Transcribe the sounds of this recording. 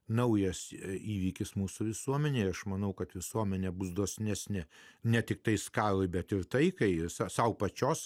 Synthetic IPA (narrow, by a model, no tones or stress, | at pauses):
nɐʊjɛsiːʋʲiːkʲɪsmuːsʊʋʲɪsuɔmʲɛnʲeːɐʃmɐnɐʊkɐt̪ʋʲɪsuɔmʲɛnʲɛbʊsd̪oːsʲnʲæsʲnʲɪnʲɛt̪ʲɪk̚t̪ɐɪskɑːlˠoɪbʲɛt̪ɪɾt̪ɐɪkɐɪɪsɐsɐʊpɐt͡ʃʲoːs